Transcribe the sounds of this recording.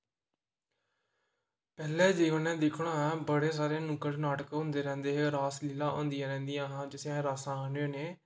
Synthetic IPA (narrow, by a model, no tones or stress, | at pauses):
pɛːlɛːd͡ʒɪːənɛ̃ːd̪ɪkʰɽãːɛːbəɽeːs̬aːɾeːnʊ̃kəɽnaːʈəkɦõːnd̪eːɾɛ̃ːnd̪eːɦeːɾaːslɪlãːʔõ̰ːnd̪ijãːɾɛ̃ːnd̪ijãːɦãːd͡ʒɪsɛ̃ɾaːsãːaːnoːneː